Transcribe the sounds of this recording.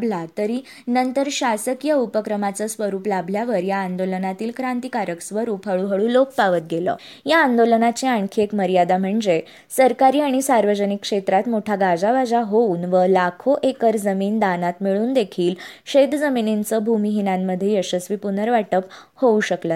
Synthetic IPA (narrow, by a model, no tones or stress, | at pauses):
bʱlat̪əɾi | nənt̪əɾɕasəkjəupəkɾəmat͡səsʋəɾuːplabʱljaʋəɾjaːnd̪olənat̪iːlkɾãnt̪ikaɾəksʋəɾuːpʰəɭuɦəɭuloppaʋət̪̚ɡelə̰ː | jaːnd̪olənat͡ɕeaɳkʰiekməɾjad̪am̤əɳd͡ze | səɾkaɾiːaɽ̃isaɾʋəd͡ʑənikːʂet̪ɾat̪moʈʰaɡad͡zaʋad͡zaɦouːnʋəlakʰoʔekəɾd͡zəmiːnd̪anat̪miɭuːnd̪ekʰiːlɕed̪d͡zəminint͡səbʱumiɦinamːəd̪ʱːjeəɕəsʋipunəɾʋaʈəphouɕəklə